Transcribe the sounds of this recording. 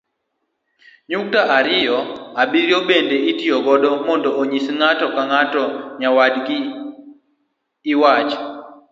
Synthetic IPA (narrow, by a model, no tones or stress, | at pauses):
ɲuk̚taʔaɾɪjɔabiɾjobendeitijɔɡɔdɔmɔndɔːɲisŋatɔkaŋatɔɲawadɡi | wat͡ʃ